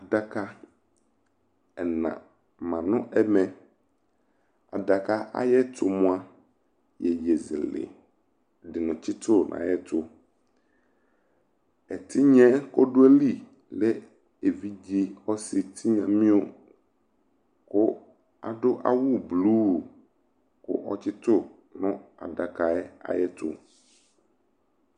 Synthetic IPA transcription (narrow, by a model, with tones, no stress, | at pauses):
a˨da˨ka˦ | ɛ˨nã̰˨ | mã˨nʊ̃˦ʔɛ˦mɛ̃˨ | a̰˨da˨ka˦ʔa̰˦jɛ˦t̪ʰʊ˨mʊ̃˦a˦ | jɛ˨jɛ˨zḭ˨lɪ̰˨ | dɪ˨nʊ̃˨t͡ɕi˦t̪ʊ˦˨nʔã̰˨jɛ˦t̪ʊ˦ | ɛ˨t̪ʰi˦ɲɛ̃˦kɔ˦ɖʊ˦ɛ˦li˦˨ | lɛ˦ | e˨vi˦d͡ʑi˦ɔ˦si˨t̪ʰi˦ɲã˨mĩ˦o˦ | kʊ˦ | a̰˨ɖʊ˦ʔa̰˦wu˦blu˦˨ | kʊ̰˦ʔɔ˦t͡ɕɪ˦t̪ʊ˦ | nʊ̃˦a̰˨da˨ka˨ɛ˦a̰˨jɛ˦t̪ʰʊ̰˨